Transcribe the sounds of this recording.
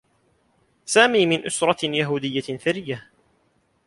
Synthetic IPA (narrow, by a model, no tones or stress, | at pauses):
saːmiːmɪnʔʊsɾˤɑjaɦuːd̪ɪjːaθaɾɪjːa